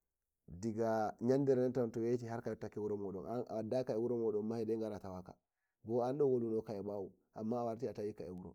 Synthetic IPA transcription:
diɡaɲandɛɾnɛntawntɔwet͡ʃiɦaɾkajɛtakːɛwuɾɔmɔɗɔ̰naa̰wadːakaɛwuɾɔmɔɗɔnmahidɛŋɡaɾatawaka̰ | ɡɔandɔwolunɔkajɛɓawu | ʔa̰mːaːwaɾtiatawikaewuɾɔ̰

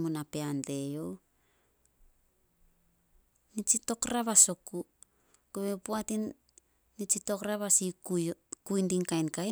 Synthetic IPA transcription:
munapeande̞jo̞w | nit͡ʃito̞kɾaβasoku | kuβepuatinː | it͡ʃito̞kɾaβasikkujndiŋkajnkaj

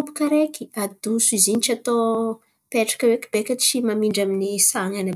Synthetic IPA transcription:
upu̥kaɾekiad̪usuiziɲit͡ʃat̪o | peʈ͡ʂḁkəwekib̥ekai̥t͡ʃimamiɳɖ͡ʐaminisaŋanə

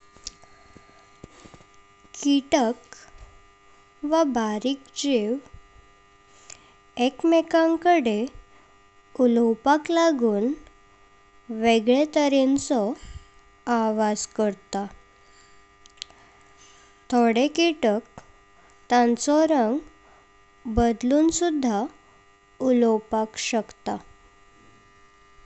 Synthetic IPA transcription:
kiʈək | ʋabaɾiːkd͡ʑeʋ | ekmekãŋkəɽe | ulɔwpaklaɡuːn | ʋeɡɭet̪əɾent͡sɔ | aʋad͡zkəɾt̪a | t̪ʰoɽekiʈək̚ | t̪ãnt͡sɔɾəŋɡ | bəd̪luːnsud̪ʱːa | ulɔwpakɕəkt̪a

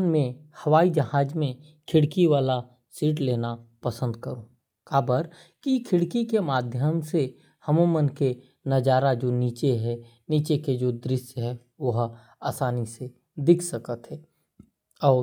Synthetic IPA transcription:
nmẽhɐʋaːid͡ʒɐɦaːd͡ʒmẽ | kʰɪɽkiʋaːla | siːʈleːnapɐsə̃nd̪kəɾoː | kaːbəɾ | kikʰɪɽkikemaːd̪ʱjəmse | hɐmomənke | nɐd͡ʒaːɾad͡ʒoːniːt͡ʃeɦɛ | niːt͡ʃeked͡ʒoːd̪ɾɪʃjɦɛ | ʋɐɦ | aːsaːnise | d̪ɪkʰsəkət̪ɦɛː | ɔː

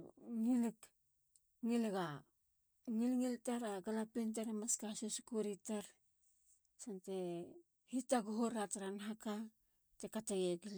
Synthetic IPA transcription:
ŋilk | ŋileɡa | ŋilŋiltaɾaɡalapint̬aɾamaskasusukuɾitaɾ | sante | hitaɡuɦoɾataɾanɦaka | tekatajeɡil

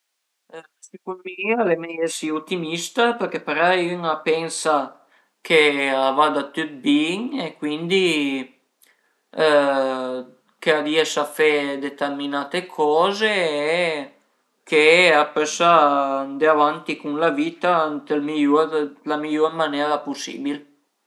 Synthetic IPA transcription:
sikuminialemɛjesiut̪ːimist̪apeɾkepeɾayŋapɛnsa | kʰeavad̪at̪yt̪̚biŋekwind̪i | kead̪iesafed̪et̪erminaːt̪ekʰɔːzeɛ | kʰeapøsand̪eavant̪ikuŋlaviːt̪ant̪elmiʎuɾlamiʎormanɛːɾapusːḭːbil

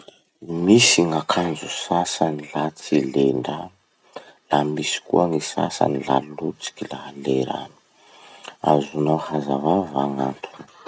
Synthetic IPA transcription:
misiŋakʰand͡zusasanilat͡sileɳɖ͡ʐa | lamisi̥kuaŋisa̰sa̰nila̰lut͡si̥kilaɦaleɾa̰nu̥ | a̰zunohazavavaŋant̪ʰuni̥

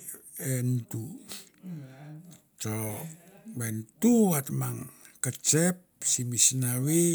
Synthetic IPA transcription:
ɛnt̪u | t͡ʃɔ | wɛnt̪uwat̪maŋ | kət͡ʃɛp̚simisnawi

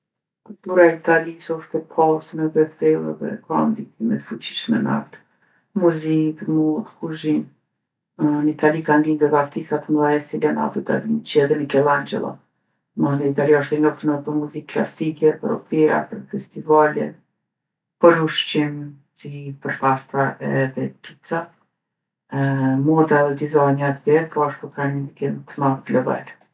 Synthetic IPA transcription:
kult̪uɾaɛit̪alisɔʃt̪ɛpʰasnɛbɛfɛuɛ̰ðɛ̰kand̪ik̚imɛt̪fut͡ɕi̥ʃmɛna̰ft̪ | muzipəɾmut̪kuʒim | nit̪alikand̪ind̪ɛvaft̪isat̪əndaɛsilɛna̰t̪it̪a̰lint͡ʃɛðɛmikɛlˠand͡ʒɛ̰lˠɔ̰ | mad̪ɛit̪aliɔʃt̪ɛɲɔft̪nəpɔɾmuzikːla̰sikɛpəɾɔ̰piɾa̰pəɾfɛst̪ivalḭn | pəɾuʃt͡ɕim | sipəɾpast̪ɾaʔɛðɛt̪it͡sa | mut̪aðɛd̪izaɲat̪bɛt̪pɔaʃt̪ukanəd̪ikɛnt̪əmavt̪lɔva̰l

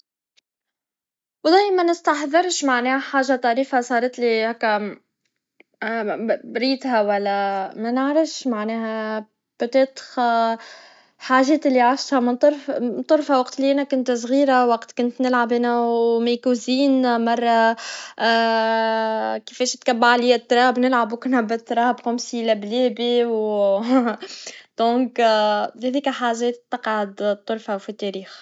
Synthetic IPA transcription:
wd̪æːjmænɪst̪aħðɪɾʃmaʕneːħaːʒat̪ˤɑɾiːfhasˤɑːɾˤɑt̪lihæːkːæ | bɾiːt̪hæwælːæmænɪʕɾɪfʃmaʕneːɦæ | b̥ot̪eːt̪xa | ħaːʒeːt̪ɪlːiʕaʃt̪hamɪnt̪ˤɾˤnt̪ˤʊɾˤfhawaqt̪ɪlːiʔanækʊnt̪sˤɣiːɾawaqt̪kʊnt̪nɪlʕabɪnæwmekuziːnmɑrˤːɑ | kifɛːʃt̪kabːaʕliːɪt̪ːɾˤɑːbnɪlʕabukʊnæbɪt̪ːɾˤɑːbxʊmsilæblɛːbiw | d̪̥ɔ̃ːkhæðiːkæħaːʒɛːt̪ːɑqʕad̪t̪ˤːʊɾfafit̪ːɛɾiːx

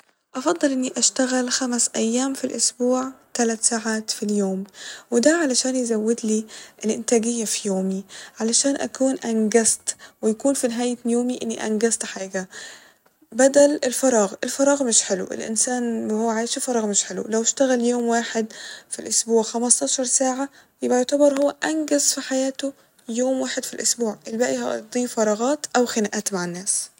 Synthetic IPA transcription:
ʔɑfɑd̪ˤːɨlʔɪnːiʔaʃt̪aɣalxamsʔæjːaːmfilʔʊsbuːʕt̪alat̪saːʕaːt̪filjoːmwɪd̪æʕalaʃaːnjzawːɪd̪liːʔɪlʔɪnt̪æːɡɪjːafijoːmiʕalaʃaːnʔa̰kuːnʔanɡast̪wɪjakuːnfinɪɦaːjjoːmiʔɪnːiʔæ̰nɡast̪ħaːɡa | bæd̪ælelfɑɾˤɑːɣʔelfɑɾˤɑːɣmeʃħelw̰ʔḛlʔḛnsæːnhowːæʕaːjʃifɑɾˤɑːɣmeʃħelw̰læweʃt̪æɣæljoːmwaːħed̪filʔosbuːʕxæmɑst̪ˤɑːʃɑɾˤsaːʕa | jebʔæjoʕt̪ɑbɑɾˤhowːæʔænɡæzfiħajæːt̪o | joːmwaːħed̪filʔosbuːʕʔelbæːʔihɑʔd̪ˤiːfɑɾˤɑːɣɑːt̪ʔæwxenæʔæːt̪maʕanːæːs

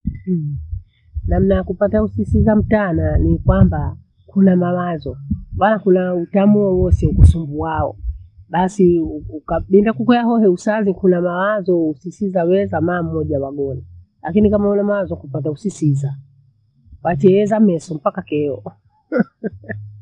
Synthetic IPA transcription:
nam̩najakupatausisizam̩tananikwamba | kunamawazɔmbanakunautamuɔwɔsɛkusumbuaɔ̰ɓasiuukaɓindakukɔjaɦɔhɛusazikunamawazɔusisizawɛzamaːm̩ːɔʄawaɡɔna | lakinikamaunamawazɔkupat̬ausisiza | wat͡ʃɛɛzamɛsɔm̩pakakɛɔ

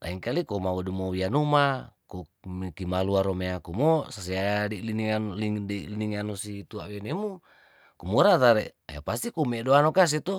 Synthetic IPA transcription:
na̰iŋkalikomawudumowianumakomkimaluaɾomeakumosas̬iaadiliniŋanlideliniŋanusit̪uawenemu | kumuɾat̪aɾḛa̰ja̰past̪ikumedoanokas̬it̪u

